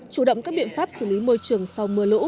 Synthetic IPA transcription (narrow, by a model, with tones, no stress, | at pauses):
t͡ɕu˧˩ɗə̰˧˨wŋ͡mkaː˦˥k̚ɓḭ˧˨ənfaː˦˥p̚sɨ˧˩li˨˦mo˧jt͡ɕɨ˨˩əŋsa˧wmɨ˧əlṵ˧˥